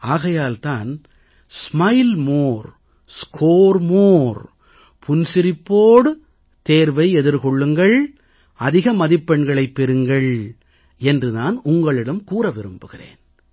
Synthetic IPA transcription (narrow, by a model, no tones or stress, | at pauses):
aːɣɐjaːlt̪aːn | smɐɪlmoːɾ | skʰoːɾmoːɾ | pʰʊnsɪɾɪpːoːɽɯ | t̪eːɾʋɐɪɛðɪɾkɔɭːɯŋɡɐɭ | ɐðɪɣɐmɐðɪpːɛɳɡɐɭɐɪpːɛɾɯŋɡɐɭ | ɛndrɯnaːnʊŋɡɐɭɪɽɐmkuːɾɐʋɪɾɯmbɯɣɪrḛːn